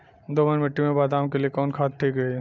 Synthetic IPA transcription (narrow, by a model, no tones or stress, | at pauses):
d̪oːmənmɪʈːimẽbaːd̪aːmkeliekɔːnkʰaːt̪̚ʈʰiːkɾɛ